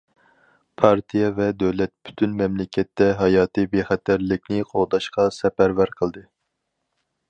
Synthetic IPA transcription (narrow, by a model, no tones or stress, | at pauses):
pʰɑɾt̪ʰijɛvɛd̪øwlɛt̪̚by̥t̪ʰynmɛmlɪkʲʰɛt̪ːɛɦɑjɑːt̪ɨbeχɛt̪ʰæɾlɪkʲnɪqʰoʁd̪ɑʃqɑsɛpæɾvæɾqʰəlˠd̪ɨ